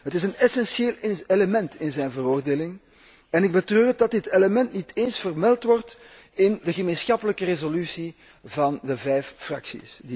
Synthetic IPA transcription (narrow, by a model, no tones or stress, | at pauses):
ɦətɪsənɛsɛnʃeːleləmɛntɪnzɛjnvəroːrdeːlɪŋ | ɛnɪɡ̚bətrøːrdɑddɪteləmɛntnitʰeːnsfərmɛlˠtʋɔrt | ɪndəɣəmeːnsxɑpələkərezolysi | vɑndəvɛjffrɑ̰ksḭsdi